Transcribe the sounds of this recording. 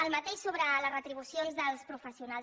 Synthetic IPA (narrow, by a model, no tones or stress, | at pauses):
əlˠmət̪eʃsoβ̞ɾələrət̪ɾiβ̞usjonzðəlˠspɾufəsiuna